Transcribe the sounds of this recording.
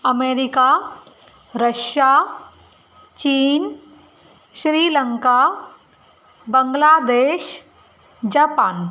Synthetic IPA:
əmeːɾɪka | ɾəʃja | t͡ʃiːn | ʃɾiːlə̃ŋka | bə̃ŋɡlaːd̪eːʃ | d͡ʒaːpaːn

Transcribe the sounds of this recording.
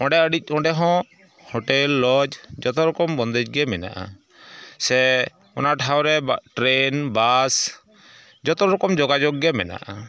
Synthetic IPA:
ɔ̃ɖɛəɖic̚ˀɔ̃ɖɛɦɔ̃ | hɔʈɛlːɔd͡ʒd͡ʒɔt̪ɔɾɔkɔmbɔnd̪ɛd͡ʒɡɛmɛna̰ʔa̰ | sɛ | ɔnaʔʈʰawɾɛʈɾenbas | d͡ʒɔt̪ɔɾɔkɔmd͡ʒɔɡad͡ʒɔɡɡɛmɛ̰na̰ʔa̰

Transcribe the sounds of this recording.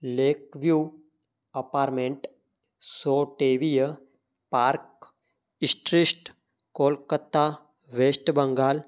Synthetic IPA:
leːkʋjuː | ɐpaːɾmẽɳʈ | soːʈeːʋijə | paːɾk | ɪsʈɾisʈ | koːlkət̪ːaː | ʋeːsʈbɐ̃ŋɡaːl

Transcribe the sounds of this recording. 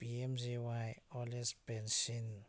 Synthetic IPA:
b̥iɛmziwajɔlɛsbɛnʃin

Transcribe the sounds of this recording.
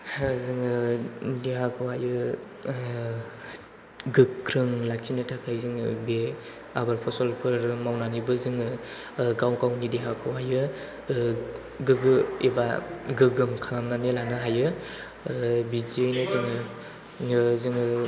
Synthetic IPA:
zɯŋɯnidiɦakʰɯwajɯ | ɡɯkʰɾɯŋlak̚t͡ʃʰinɯtʰakʰajzɯŋɯbe | abaɾpʰɔsɔlpʰɯɾmawnanibɯzɯŋɯ | ɡawkawnidiɦakʰɯwajɯ | ɡɯɡɯeba̰ɡɯɡɯmkʰalamnanelanɯɦajɯ | bizinɯzɯŋɯ | ɯzɯŋɯ

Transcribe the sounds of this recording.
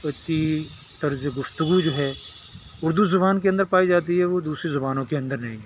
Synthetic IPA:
ɐt͡ʃi | t̪ɐɾzeɡʊft̪ʊɡud͡ʒoːɦɛː | ʊɾd̪uzʊbaːnkeɐ̃nd̪əɾpaːid͡ʒaːt̪iɦɛʋod̪uːsɾezʊbaːnõkeɐ̃nd̪əɾnɐɦẽːɡe

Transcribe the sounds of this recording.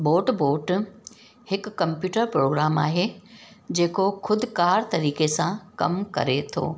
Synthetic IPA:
boːʈboːʈ | hɪkːɐ̃mpjuːʈəɾpɾoːɡɾaːma̰ːɦeːd͡ʑeːkoxʰʊd̪ʱkaːɾt̪ɐɾiːkesãkɐ̰mkɐ̰ɾet̪ʰo̰ː

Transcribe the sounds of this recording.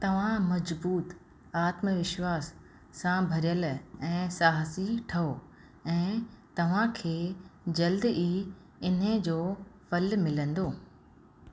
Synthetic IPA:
t̪ɐʋ̤ãmɐd͡ʑbuːt̪ | aːt̪məʋɪʃwaːsː | ãbʱɐɾijəlɛ̃ːsaːɦsiʈʰɐo | ɛ̃ːt̪ɐʋ̤ãkʰeːd͡ʑɐld̪ʔiː | ɪnə̆d͡ʑoːfɐlmɪlə̃nd̪oː

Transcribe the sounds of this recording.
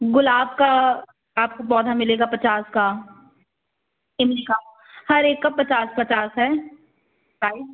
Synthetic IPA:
ɡʊlaːbka | aːp̚kopɔːd̪ʱamɪleːɡapɐt͡ʃaːska | ɪmkaː | hɐɾeːkːapɐt͡ʃaːspɐt͡ʃaːsɦɛ | kaːi

